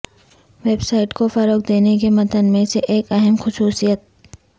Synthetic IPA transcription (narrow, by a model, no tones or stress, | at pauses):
ʋeːbsaːɪʈkofɐɾoːk̚d̪eːnek̬emɐt̪ənmẽseʔeːkɛɦəmxʊsuːsijət̪̚